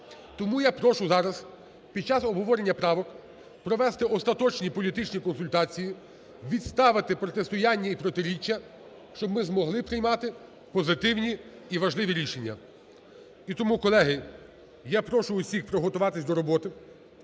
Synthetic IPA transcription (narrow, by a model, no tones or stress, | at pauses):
t̪ɔmujapɾɔʃʊzɑɾɐs | pʲid̥̪̚t͡ʃɑzɔbɦɔʋɔɾenʲːɐpɾɑʋɔk | pɾɔʋɛst̪ɪɔst̪ɐt̪ɔt͡ʃnʲipɔlʲit̪ɪt͡ʃnʲikɔnsʊlʲt̪ɑt͡sʲiji | ʋʲid̪st̪ɑʋɪt̪ɪpɾɔt̪est̪ʊjɑnʲːɐipɾɔt̪ɪɾʲit͡ʃːɐ | ʃt͡ʃɔbmɪzmɔɦlˠɪpɾɪjmɑt̪ɪ | pɔzɪt̪ɪwnʲi | iʋɐʒlˠɪʋʲiɾʲiʃenʲːɐ̰ | it̪ɔmukɔlˠɛɦɪ | japɾɔʃʊːsʲixpɾɔɦɔt̪ʊʋɑt̪ɪsʲd̪ɔɾɔbɔt̪ɪ